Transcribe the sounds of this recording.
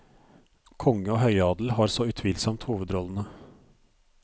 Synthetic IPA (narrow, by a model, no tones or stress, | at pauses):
kʰɔŋːəoːhœʏɑːd̪l̩hɑːɾsɔʉt̪ʰʋiːlsɔmt̪huːʋəd̪ɾɔlən̩ə